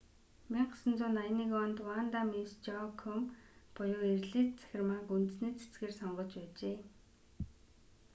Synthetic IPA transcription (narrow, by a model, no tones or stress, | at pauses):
miɴɢəsə̆nt͡sʊːnaj̆niːkɔnt̪want̪amist͡ɕɔkʰɔmpʊjʊːerɮiːt̪t͡sæ̥xʲɪ̆rmaːkunt̪ɘ̆sneːt͡sʰe̥t͡sɡeːrsɔɴɢɞ̆t͡ɕpæːt͡ɕeː